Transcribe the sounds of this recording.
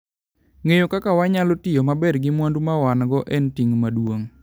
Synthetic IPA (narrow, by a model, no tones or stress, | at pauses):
ŋejokakawaɲalotɪjɔmabɛrɡɪmwandumawanɡɔʔɛntiŋmadwoŋ